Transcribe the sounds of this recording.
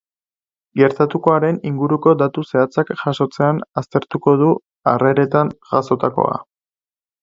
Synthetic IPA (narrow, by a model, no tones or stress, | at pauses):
ɡe̞ɾt̪at̪uko̞aɾe̞niŋɡuɾuko̞d̪at̪use̞at͡sakʝaʃo̞t͡se̞anast̪e̞ɾt̪uko̞ðu | are̞ɾe̞t̪anʝaso̞t̪ako̞̰a̰